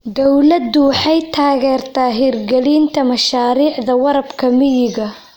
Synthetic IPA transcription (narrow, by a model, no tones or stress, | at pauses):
d̪ɔwlɐd̪ʊwɑħɑjt̪ʰaːɣɛːrt̪ʰaːɦiːrɡɛliːnt̪ʰɐmɐʃaːɾiːʕðɐwɑɾɐbkʰɐmɪjɪɣɐ